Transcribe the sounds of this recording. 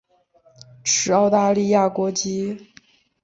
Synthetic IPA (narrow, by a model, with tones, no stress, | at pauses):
ʈ͡ʂʰɻ̩˧˥ɑ˥˧ʊt̪a˥˧li˥˧ja˥˩kwɔ˧˥t͡ɕi˥